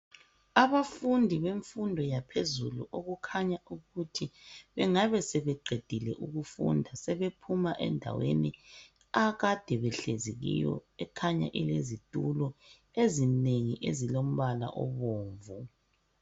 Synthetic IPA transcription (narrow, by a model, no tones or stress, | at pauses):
aβafundʱiβeɱfundʱɔjapʰezṵlṵʔoɣukʰaɲaʔuɣutʰiβɛŋaβɛsɛβɛǃʱed̥ʱilɛ̰ʔuɣufṵndʱasɛβepʰumaʔɛ̰ndʱa̰wḛni | aɣad̥ʱɛβɛɬeziɣḭjɔ̰ɛkʰaɲa̰ʔilezitʼulɔ | ezineŋiʔezilom̩βala̰ʔɔ̰βoːɱvu